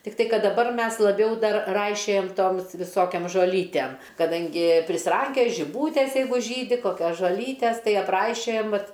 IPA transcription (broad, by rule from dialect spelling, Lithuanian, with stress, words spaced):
tʲɪkˈtɐɪ ˈkɐt dɐˈbɐr ˈmʲɛs lˠɐˈbʲɛʊ ˈdɐr ˈrɐɪʃʲoːjɛm ˈtoːms ʋʲɪˈsoːkʲoːm ʒoːˈlʲiːtʲɛm kɐˈdɐŋʲɡʲɪ pʲrʲɪsʲɪˈrɐŋʲkʲoːj ʒʲɪˈbuːtʲeːs ˈjɛɪɡʊ ˈʒʲiːdʲɪ koːˈkʲoːs ʒoːˈlʲiːtʲɛs tɐɪ ɐpˈrɐɪʃʲoːjɛm ˈʋɐt